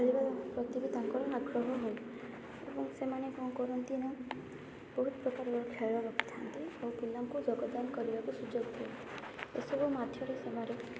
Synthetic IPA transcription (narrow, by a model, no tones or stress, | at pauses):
alibaɾpɾɔt̪ibid̪aŋkɔɾɔaɡɾɔɦɔɦoj | ḛbɔŋsemanekaw̃kɔɾɔnt̪ina | bɔɦut̪̚pɾɔkaɾɔɔɾɔkʰaɾabaku̥t̪ʰant̪iawpulːamkud͡ʒɔɡɔd̪ankɔɾibakusud͡ʒoɡt̪ʰi | ḛsɔbumad̪ʱʰjɔɾesemaɾe